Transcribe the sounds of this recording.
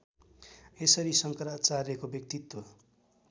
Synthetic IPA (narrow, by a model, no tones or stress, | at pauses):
esʌɾisʌŋkʌɾat͡sarjʌkobjʌk̚t̪it̪ːo